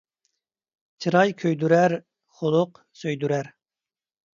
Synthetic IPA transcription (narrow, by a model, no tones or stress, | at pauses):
t͡ʃʰɨɾɑjkʲʰøjd̪yɾæɾ | χʊlˠʊq | søjd̪yɾæɾ